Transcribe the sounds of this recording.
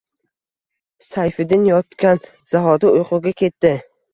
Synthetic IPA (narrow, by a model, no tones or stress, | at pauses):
sajfɪd̪ɪnjɒt̪kʲan | z̥aɦɒd̪ɪʊjqʰʊɡʲakʲʰe̞t̪ːɪ